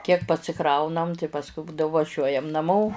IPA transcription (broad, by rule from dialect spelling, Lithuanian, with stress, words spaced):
kʲiɛk pɐsʲɪˈkrɐʊnɐm tɐɪ pɐsˈkʊɪ ˈbuːdɐʋoː ʋɐˈʒʲuɔjɛm nɐˈmoː